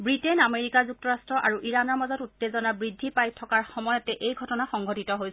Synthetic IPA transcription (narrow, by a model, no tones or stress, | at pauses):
bɹitenameɹikazuk̚tɔɹastɹɔʔaɹuʔiɹanɔɹmazɔtutːezɔnabɹidʱːipajtʰɔkaɹxɔmɔjɔtɛʔejɡʱɔtɔnaxɔŋɡʱɔtitɔɦojs